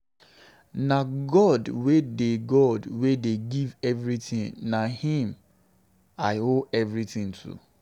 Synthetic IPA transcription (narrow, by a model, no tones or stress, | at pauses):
naɡɔdwedeɡɔdwedeɡivɛvɹitĩnnahĩm | aɪoɛvɹitĩntʰṵ